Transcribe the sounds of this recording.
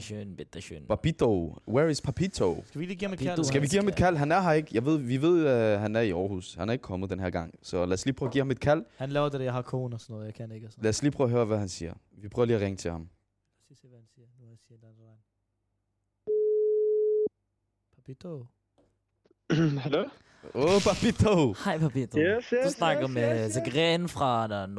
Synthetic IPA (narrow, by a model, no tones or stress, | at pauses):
ønb̥ed̥ønpʰɑpit͡sowæɐɪspʰɑpʰit͡sʰosʋiliɡiːhme̥sɡ̥æʋiɡḭːɐhme̝d̥kʰæl̰ɦænæɐɦɑ̈e̝ɡ̥əjɑ̈ɪʋe̝ð̞̰ˠʋiʋe̝ð̞̰ˠɦænæɐiɒːhṵːshænhæɐe̝ɡ̥ə̥kʰɒ̽məð̩ˠd̥enɦæɐɡ̥ɑ̈ŋ̰sɒ̽læsliːpʰʁœːɐɡḭːɐhɑme̝d̥̚kʰæl̰hænlɛːʊɐd̥edejahɑ̈kʰo̝̰ːnɔsɔnːɔð̩ˠjaɪkʰæneɡ̥slæsliːpʰʁœːɐɦøːɐʋæhænsiːɐ | ʋipʰʁœːʊɐliːɐʁeŋət͡sʰe̝lhɑ̈m | læsliseʋæhænsiːɐnusiɐend̥ænsɑn | pʰapidʰo | hælo | opʰɑb̥it͡sʰohɑɪ̰pʰɑbidʰoesd̥usnɑ̈ɡ̥ɐmeseɡ̥ʁenfʁɑn